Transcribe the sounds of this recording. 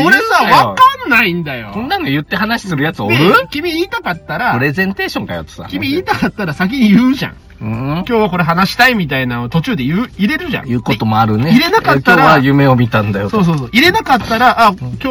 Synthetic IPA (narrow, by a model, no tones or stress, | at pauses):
koɾesaβakanːaĩnd̪ajo̞kõnːãŋɡajɯ̟t̪ːe̞ɦanaɕi̥sɨɾɯ̟jat͡sɨoɾɯkʲimʲiiːt̪akat̪ːaɾapɯ̟ɾe̞zẽ̞nt̪e̞ːɕõ̞ŋkajo̰t̪ːo̥sa̰kʲimʲiiːt̪akat̪ːaɾasak̬ʲiɲ̟ijɯːʑã̰ŋ | ɯ̃kʲo̞ːβako̞ɾe̞ɦanaɕi̥t̪aimʲit̪ainanot̪o̞t͡ɕɨːd̪e̞jɯːiɾe̞ɾɯ̟ʑã̰jɯ̟ːko̞t̪o̞moaɾɯ̟neiɾe̞nakak̪ːoaɾaajɯme̞omʲit̪ãnd̪ajotso̞ːs̬oːsoːʔiɾe̞nakat̪ːaɾaʔakʲoː